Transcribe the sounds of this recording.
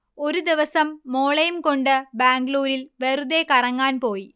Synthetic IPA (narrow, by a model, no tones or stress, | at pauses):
o̞ɾud̪iʋɐsɐmːoːɭɐjumko̞ɳɖɨbaːŋɡɭuːɾilʋeruðekɐrɐŋːaːnpo̞ːji